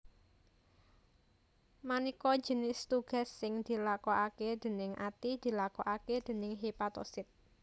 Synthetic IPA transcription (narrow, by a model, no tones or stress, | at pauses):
manikɔ̥d͡ʒə̤nɪst̪uɡ̥a̤sːɪŋd̪̥i̤lakɔʔaked̪̥e̤nɪŋʔat̪id̪̥i̤lakɔʔaked̪̥e̤nɪŋɦepat̪ɔ̰sɪt̪̚